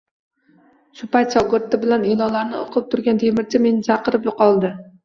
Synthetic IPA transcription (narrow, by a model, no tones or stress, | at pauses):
ʃʊpajt̪ʃɒɡʊɾt̪ːɪbɪlanelˠɒlaɾnɪo̰qʰɨp̚t̪ʰʊɾɡʲant̪ʰe̞mɪɾt͡ʃʰame̞nɪt͡ʃʰɑqʰɨɾɪpjʊqʰɒlˠd̪ɪ